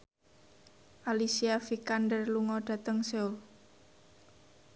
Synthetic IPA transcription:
ʔalisiafikandərluŋɔɖ̥ä̤t̪əŋseul

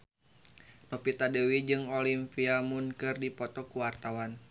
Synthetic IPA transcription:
nɔpit̪adewid͡ʒɨŋolimpiamʊnkɨrdipɔt̪ɔkuwart̪awan

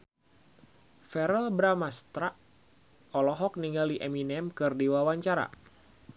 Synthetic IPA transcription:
fɛɾəlbɾamast̪ɾaʔ | ɔlɔɦɔk̚niŋaliʔɛminɛmkɨrdiwawaɲt͡ʃaɾa̰

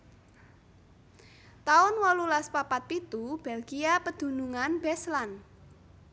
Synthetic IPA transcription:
t̪aʊnwɔlulaspapat̪̚pit̪ub̥ɛlɡiapəd̪̥ṳnuŋanbɛslan

